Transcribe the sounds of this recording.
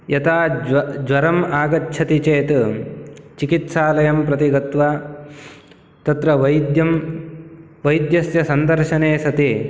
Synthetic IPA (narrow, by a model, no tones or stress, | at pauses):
jɐt̪ʰaːd͡ʒʋɐɾɐmaːɡɐtːʃʰɐt̪it͡ʃeːt̪ | t͡ʃikit̪saːlɐjɐmpɾɐt̪iɡɐt̪ʋaː | t̪ɐt̪ɾɐʋɐjd̪jɐm | ʋɐjd̪jɐsjɐsɐnd̪ɐɾʃɐneːsɐt̪i